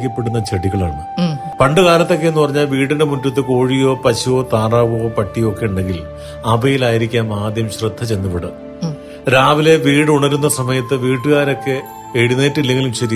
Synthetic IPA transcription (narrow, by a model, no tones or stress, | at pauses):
kʲːɐpːe̞ɽunːɐt͡ɕɐɽiɣɐɭaːɳɨ | pɐɳɖɨɣaːlɐt̪ːo̞kːeenːɨpɐrɐɲːaːlʋiːɽindemuntːut̪ːɨko̞ːɻijo̞ːpɐɕujo̞ːt̪aːraːʋɐoːpɐʈːijo̞kːe̞uɳɖe̞ŋɡil | ɐbʱɐjilaːjiɾikʲːaːnaːd̪jɐmɕrɨd̪ʱːɐt͡ɕe̞nːipːeɽɨ̰ | ɾaːʋile̞ʋiːɽɨuɳɐɾunːɐsɐmɐjɐt̪ːɨʋiːʈːɨɣaːɾo̞kːe̞ː | ɻineːtːilːe̞ŋɡilumt͡ɕːɐɾi